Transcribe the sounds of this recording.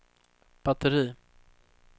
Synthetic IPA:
b̥at̪əɾiː

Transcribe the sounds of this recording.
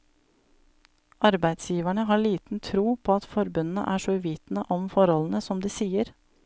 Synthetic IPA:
ʔɑɾbæɪd̪sjiːʋæɳəɦɑːɭiːt̪n̩t̪ʰɾuːpʰoːɑt̪fɔɾbʉnn̩ə̰ʔæːʂɔʉʋiːt̪n̩əʔɔmfɔɾhɔln̩əsɔmd̪iːsiːəɾ

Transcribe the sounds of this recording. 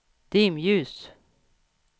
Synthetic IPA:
d̪̥iːmjʉːs

